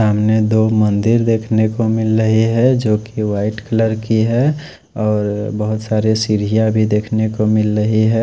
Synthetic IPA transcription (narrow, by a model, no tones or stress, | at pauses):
amned̪oːmə̃nd̪ɪɾd̪eːkʰnekomɪlɾəɦiɦɛd͡ʒoːkiwaːɪʈkələɾkiɦɛ | ɔːɾbəɦʊt̪saːɾesiɾijabʱid̪eːkʰnekomɪlɾəɦiɦɛ